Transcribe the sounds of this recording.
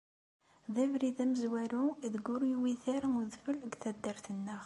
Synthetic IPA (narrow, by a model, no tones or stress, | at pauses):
ðævɾiðæməzwæluðɡʊɾjwiθæɾmuðfələɡθæd̪ːəɾθənːəʁ